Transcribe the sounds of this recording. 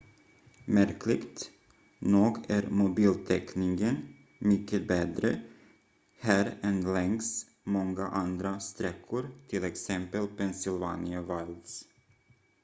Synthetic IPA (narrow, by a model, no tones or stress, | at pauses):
mæɾkʰlɪɡt̪ | nuːɡæɾmʊbiːlt̪ʰɛknɪŋɡən | mʏkːəbɛːd̪ɾə | hæːɾɛnlɛŋs | mɔŋɡaʔand̪ɾast̪ɾɛkʰːʊɾt̪ʰɪlɛksɛmpəlpʰɛnsɪlvaːnɪavald̪s